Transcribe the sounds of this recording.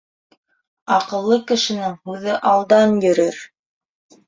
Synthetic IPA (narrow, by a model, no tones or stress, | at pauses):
ɑqɤ̆lˠːɤkɘ̆ʃɘ̆nɘŋhʉðɘʔɑlˠd̪ɑnjɵ̆ɾɘɾ